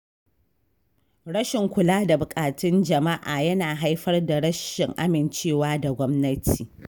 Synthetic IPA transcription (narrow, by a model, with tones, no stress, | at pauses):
ɽɐ˦ʃɪ˨ŋkʷʊ˨laː˦da˨bʊ˨kʼaː˨tɪ˦nd͡ʒɐ˨ma˦ʔaː˨jɐ˦naː˨ɦa˦jɸɐ˦rda˨ɽɐ˦ʃɪ˨ŋʔa˦mɪ˨nt͡ʃeː˦˨waː˦da˨ɡʷɔ˦mnɐ˦tʰiː˨